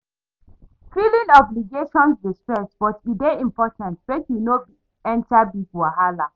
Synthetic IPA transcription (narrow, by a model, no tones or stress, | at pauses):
filĩnɔbliɡeʃɔ̃nsdistɹɛsb̥ɔtudeĩmpɔtʰãntbekjunob | ɛ̃ntabibuaɦala